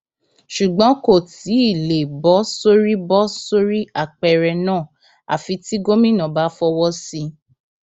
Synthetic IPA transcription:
ʃu˨ɡ͡bɔ̃˨˦ko˦˨ti˨˦i˦˨le˨bɔ˨˦so˦ɾi˦bɔ˦so˦ɾi˦a˦˨k͡pɛ˧˨ɾɛ˧nã˦˨ | a̰˨fi˧ti˦ɡo˦mĩ˦˨nã˨ba˨˦fɔ˧wɔ˦si˧

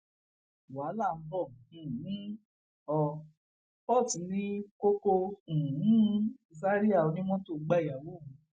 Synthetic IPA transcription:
wa˨˦la˦˨m̩˦bɔ˦˨ũ˨nĩ˦ | ɔ˧ | pɔ˦˨ti˨˧˦nĩ˦ko˦ko˧ũ˨˦i˧sa˦ɾi˦a˦˨o˧nĩ˦m̃ɔ̃˦to˦˨˧ɡ͡ba˦˨a˨wo˦˨ũ˨˦

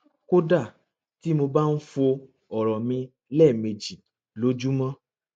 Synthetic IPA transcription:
ko˦da˦˨ | ti˨˦mo˧ba˦n̩˦fo˧ | ɔ˨ɾɔ˨mĩ˧ | lɛ˦˨me˨d͡ʒi˨ | lo˨˦d͡ʒu˦mã˦

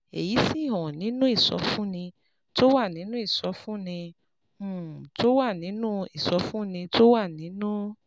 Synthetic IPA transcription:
e˨ji˨˦si˦˨ɦɔ̃˨nĩ˨˦nũ˦i˦˨sɔ̰˨˧˦fũ˦nĩ˧ | to˦wa˦˨nĩ˨˦nũ˦i˦˨sɔ˨˧˦fũ˦nĩ˧˦˨ | to˦wa˦˨nĩ˨˦nũ˦i˦˨sɔ˨˧˦fũ˦nĩ˧to˦wa˦˨nĩ˨˦nũ˦

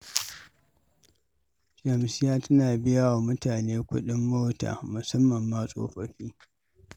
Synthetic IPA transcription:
d͡ʒɐ˨msɪ˦jaː˦tɐ˦naː˨bɪ˦ja˦wa˨mʊ˦taː˨neː˦kʷʊ̰˦ɗɪ˦mːoː˦ta̰ː˨mʊ˨sɐ˦mːɐ˨mːaː˦sʼo̰ː˦ɸɐ˨ɸiː˦

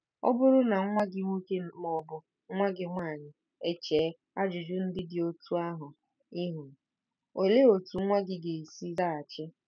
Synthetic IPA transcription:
ɔ̰˦bʊ˦ɾʊ˦na˨˦ŋʷa˦ɡɪ˦ŋʷu˦ke˦mɔ˦bʊ˨ | ŋ̩˦ŋʷa˦ɡɪ˨ŋʷaː˦˨ɲɪ˨ | e˦t͡ʃeː˨˦ | a˦d͡ʒʊ˨d͡ʒʊ˦n̩˦dɪ˦dɪ˨o˦tu˦a˦ɦʊ˨ | ɪ˦ɦu˨ | o˨le˦o˨tu˨˦ŋʷa˦ɡɪ˦ɡe˨si˦za˦a˨t͡ʃɪ˦

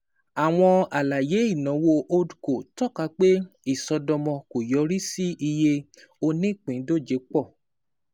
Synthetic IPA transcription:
a˨w̃ɔ̃˧a˨la˨je˨˦i˦˨nã˨˦wo˧ʔo˧du˨ko˨tɔ˦˨ka˧˦k͡pe˦i˦˨sɔ˧dɔ˧mɔ̃˧ko˨jɔ˨˦ɾi˦si˦ʔi˧je˧ | o˧nĩ˦˨k͡pĩ˨˦do˦˨d͡ʒe˨˦k͡pɔ˦˨

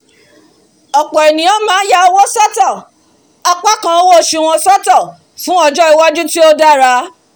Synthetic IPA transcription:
ɔ˨k͡pɔ˨e˨nĩ˨ɔ˦mãː˨˦ja˦o˧wɔ̃˦sa˦ta˦˨ | a˧k͡pa˦kã˧o˦wo˦˨ʃi˧˦w̃ɔ̃˧sa˦ta˦˨ | fũ˦ɔ˧d͡ʒɔ˦i˨˧wa˦d͡ʒu˦ti˦o˦da˦ɾa˧˦

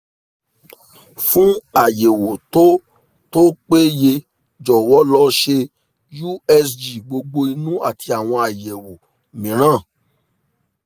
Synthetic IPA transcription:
fũ˦a˨je˨wo˨to˦ | to˦k͡pe˦je˧ | d͡ʒɔ˨wɔ˨˦lɔ˦ʃe˧ | ju˦ɛ˦sd͡ʒi˨ɡ͡bo˧ɡ͡bo˧i˧nũ˦a˦˨ti˧a˨w̃ɔ̃˧a˨je˨wo˨ | mĩ˨ɾ̃ãː˦˨

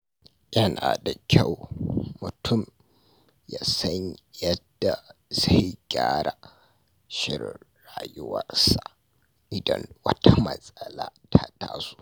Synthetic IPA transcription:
jɐ˦naː˨da˨kʲa˦˨wmʊ˨tʰʊ˦˨m | jaː˨sɐ˦ɲjɐ˦dːa˨za˦˨jɡʲaː˦ɾʔa˨ | ʃɪ˦ɾː | aː˨jʊ˦wɐ˦rsa˨ʔ | ʔɪ˨dɐ̰˦nwɐ˦tʰa˦mɐ˨sʼɐ˦laː˦tʰa˦taː˦su̥ː˦

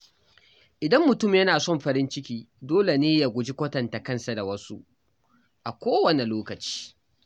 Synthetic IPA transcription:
ʔɪ˨dɐ˦mːʊ˨tʊ˦˨mjɐ˦naː˨sɔ˦˨mɸɐ˨ɾɪ˦nt͡ʃɪ˦kʲiː˦doː˦le˨neː˦ja˨ɡʷʊ˨d͡ʒi˦kʷɐ˦tɐ˨nta˨kɐ˦˨nsa˨da˨wɐ˦su˦ʔ | ʔa˨kʷoː˦wɐ˨ne˨loː˦kɐ˨t͡ʃi̥ː˦

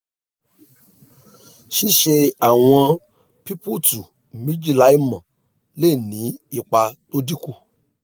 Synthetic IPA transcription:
ʃi˦ʃe˧a˦˨w̃ɔ̃˧ | pi˦pu˦˨tu˨ | mĩ˦d͡ʒi˦˨la˨˦i˦˨mã˨ | le˦˨nĩ˨˦i˧˨k͡pa˧to˦di˦ku˧

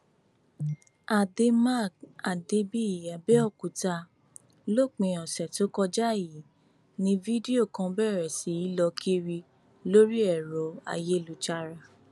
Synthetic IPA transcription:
a˨de˧ma˦˨k̚a˨de˧bi˦˨ja˨bɛ˦ɔ˦˨ku˨ta˧ | lo˦˨k͡pĩ˧ɔ̃˨sɛ˨to˨˦kɔ˧d͡ʒa˦˨ji˨˦ | nĩ˧vi˦di˦o˦˨kã˧bɛ˦˨ɾɛ˨si˨˦i˦lɔ˧kʰi˦ɾi˧ | lo˦ɾi˦ɛ˦˨ɾɔ˨˦a̰˦˨je˦˨lu˨t͡ʃa˧ɾa˧

